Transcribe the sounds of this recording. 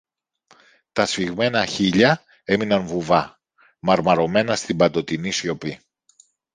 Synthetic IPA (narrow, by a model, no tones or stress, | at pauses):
t̪ɐsfiɣme̞nɐçiʎɐ | e̞minɐnvuvɐ | mɐɾmɐɾo̞me̞nɐst̪ibɐt̪o̞t̪inisjo̞pi